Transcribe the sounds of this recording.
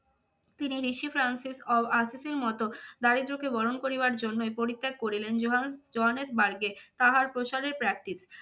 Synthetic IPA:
t̪iniɾiʃifʰɾansisɔbasiseɾmɔt̪od̪aɾid̪ɾukebɔɾonkoɾibaɾd͡ʑonːoejpoɾit̪ʰːek̚koɾilend͡ʑoɦd͡ʑoɦanesbaɾɡet̪aɦaɾpɾoʃaɾeɾpɾɛk̚ʈis

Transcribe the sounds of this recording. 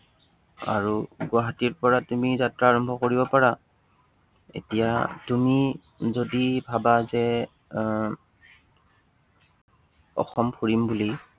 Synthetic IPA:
a̰ɹuɡʊaɦatiɹpɔɹatumizatɹaːɹɔmbʱɔkoɹibɔpaɹa | ḛtija̰tumi | zodibʱabazɛ | ɔ̰xɔmpʰuɹimbuli

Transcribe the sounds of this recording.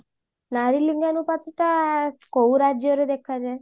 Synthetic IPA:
naɾiliŋɡanupat̪ʈakowɾad͡ʒjɔɾed̪ekʰad͡ʒae

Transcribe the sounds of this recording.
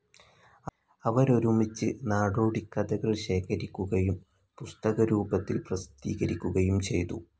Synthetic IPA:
ɐʋɐɾo̞ɾumit͡ɕːɨnaːɽoːɽikːɐd̪ɐɣɐɭɕe̞ːkʰɐɾikʲːuɣɐjum | pust̪ɐɣɐɾuːbɐt̪ːilprɐst̪iːɣɐɾikʲːuɣɐjumt͡ɕe̞̰jt̪ṵ

